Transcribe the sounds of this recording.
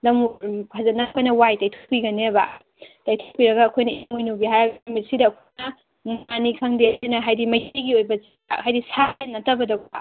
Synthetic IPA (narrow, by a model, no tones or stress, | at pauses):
lɐmuazɐtnɐkʰojnɐwajtajtʰu̥kʰːiɡɐneba̰ | tajtʰokʰːiɾɐɡɐːkʰojnɐiŋujnuɡiɦajɾɐɡmitsidɐːkʰjnɐ | manikʰaŋdeinɐɦajdimɐjiɡiojbɐz | ahajdisanːɐtɐbɐdɐɡa